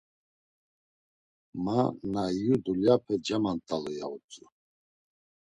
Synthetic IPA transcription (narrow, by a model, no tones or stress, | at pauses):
manajud̪uljapʰɛd͡ʒamant̪ʼaluja̰ut͡sʼu